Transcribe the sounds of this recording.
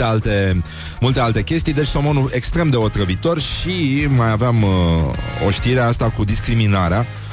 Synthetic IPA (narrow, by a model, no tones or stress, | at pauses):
ealt̪e̞ | mult̪e̞alt̪e̞kʲe̞st̪ijd̪e̞t͡ʃsomonue̞kst̪ɾe̞md̪e̞o̞t̪ɾəvit̪o̞rʃimajaveam | o̞̰ʃt̪iɾeast̪akud̪iskɾiminaɾea